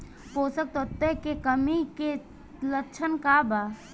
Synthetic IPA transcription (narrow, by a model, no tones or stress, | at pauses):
poːsək̚t̪ot̪ːekekəmike | ləkːt͡ʃʰənkabaː